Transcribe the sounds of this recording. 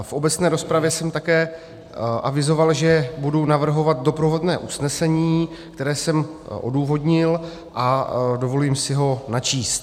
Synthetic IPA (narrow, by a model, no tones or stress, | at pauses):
fʔo̞bɛt͡snɛːɾo̞spɾavjɛsɛmt̪akɛː | ʔavɪzo̞valʒɛbudunavr̩ɦo̞vat̪̚do̞pɾovo̞dnɛːʔusnɛsɛɲiːkt̪ɛɾɛːsɛmʔo̞̰duːvo̞dɲɪl | ʔado̞vo̞liːmsɪɦo̞nat͡ʃiːst̪